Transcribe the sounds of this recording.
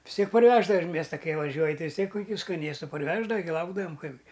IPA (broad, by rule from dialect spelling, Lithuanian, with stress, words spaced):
ʋʲɪs ˈtʲiɛk pɐrʲˈʋʲæːʒdɐʋɐ ɪʃ ˈmʲiɛstɐ ˈkɐɪ ʋɐˈʒʲuɔj ˈtɐɪ ʋʲɪs ˈtʲiɛk kʊˈkʲuː skɐˈnʲeːstʊ pɐrʲˈʋʲæːʒdɐʋɐ ɡʲɪ ˈlˠɐʊɡdɐʋɐm ˈkɐɪbʲɡʲɪ